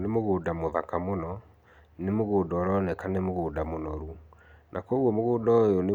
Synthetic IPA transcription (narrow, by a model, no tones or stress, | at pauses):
nemoɣoːdamoðakamonɔ | nemoɣoːdɔːɾɔnɛkanemoɣoːdamonɔɾunʔakɔɣwɔmoɣoːdɔjone